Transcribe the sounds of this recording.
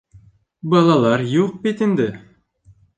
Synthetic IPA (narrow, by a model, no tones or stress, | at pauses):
bɑlˠɑlˠɑɾjuq̚pet̪ɪnd̪ɪ